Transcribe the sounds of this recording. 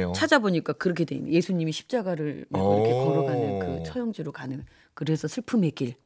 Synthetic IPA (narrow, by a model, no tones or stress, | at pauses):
t͡ɕʰad͡ʑaboɲik͈akɯɾʌkʰe̞dwḛɲ̰je̞sʰuɲimiɕʰi̥p̚t͡ɕ͈aɡaɾɯɭmaiɾʌkʰe̞kʌɾʌɡanɯnkɯt͡ɕʰʌjʌŋd͡ʑiɾokanɯn | kɯɾe̞sʰʌsʰɯɭpʰɯmɦek͈iɭ